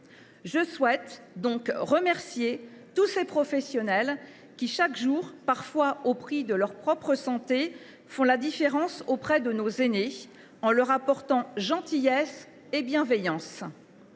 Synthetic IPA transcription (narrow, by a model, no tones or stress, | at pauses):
ʒəswɛt̪ | d̪ɔ̃kʁəmɛʁsjet̪usepχɔfɛsjɔnɛl | kʲiʃakʒuʁpaʁfwaopχid̪əlœʁpχɔpχəsɑ̃t̪e | fɔ̃lad̪ifeʁɑ̃sopχɛd̪ənozene | ɑ̃lœʁapɔʁt̪ɑ̃ʒɑ̃t̪ijɛs | ebjɛ̃vɛjɑ̃s